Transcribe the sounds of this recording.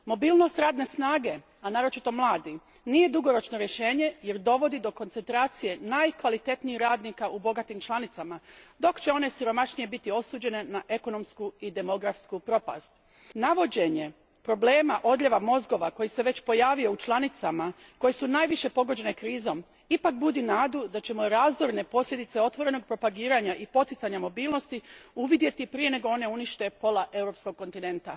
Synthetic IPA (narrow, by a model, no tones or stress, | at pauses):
mo̞bilˠno̞st̪ɾaːd̪ne̞snaːɡe̞ | anaːɾo̞t͡ʃit̪o̞mlˠaːd̪i | nije̞d̪uɡo̞ɾo̞t͡ʃno̞ɾjeʃe̞ːɲe̞je̞ɾd̪o̞ʋo̞d̪id̪o̞ko̞nt̪se̞nt̪ɾaːt̪sije̞naːjkʋalit̪e̞t̪niixɾaːd̪nikaʔubo̞ɡat̪imt͡ʃlˠanit̪samad̪o̞kt͡ɕeo̞ne̞siɾo̞maʃnije̞bit̪io̞suːd͡ʑe̞ne̞naʔe̞ko̞no̞mskuid̪e̞mo̞ɡɾafskupɾo̞pa̰st̪ | naʋo̞d͡ʑe̞ɲe̞ | pɾo̞ble̞ːmaʔo̞d̪ʎʲe̞ʋamo̞zɡo̞ʋako̞jise̞ʋe̞t͡ɕpo̞jaːʋijo̞ut͡ʃlanit̪sama | ko̞jesunaːjʋiʃe̞po̞ɡo̞d͡ʑe̞ne̞kɾiːzo̞m | ipak̚bud̪inaːd̪ud̪at͡ɕe̞moɾaːzd̪oɾne̞po̞slʲe̞d̪it̪se̞o̞t̪ʋo̞ɾe̞no̞ɡ̚pɾo̞paɡiːɾaɲaʔipo̞t̪it̪saɲamo̞biːlˠno̞st̪iuʋid̪je̞t̪ipɾije̞ne̞ɡo̞o̞ne̞uniʃt̪e̞po̞lˠaʔe̞wɾo̞psko̞ɡ̚ko̞nt̪ine̞nt̪a